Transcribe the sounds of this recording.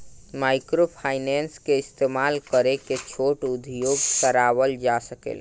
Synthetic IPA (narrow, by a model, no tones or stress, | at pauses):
majkɾopʰajnenskeist̪emalkəɾeket͡ʃʰoʈud̪ʱjoɡsəɾaʋəld͡ʒasəkḛl